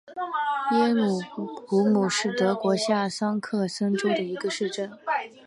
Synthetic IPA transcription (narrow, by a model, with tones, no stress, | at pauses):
jɛ˥lu˨˩pu˧˥mu˨˩ʂɻ̩˥˩t̪ɤ˧˥kwɔ˧˥ɕja˥˩sɑ˥ŋkʰɤ˥˩sɤ˥ŋʈ͡ʂo˥d̪ə˨i˧˥ɡə˧ʂɻ̩˥˩ʈ͡ʂə˥˩n